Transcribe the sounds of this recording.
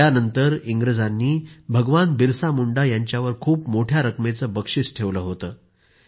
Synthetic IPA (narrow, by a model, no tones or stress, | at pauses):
anənt̪əɾiŋɡɾəd͡zanːiːbʱəɡʋanbiɾsamuɳɖajaɲt͡ɕjaʋəɾkʰuːpmoʈʰjaɾəkmet͡səːbəkʂit͡sʈʰeʋləːɦot̪əː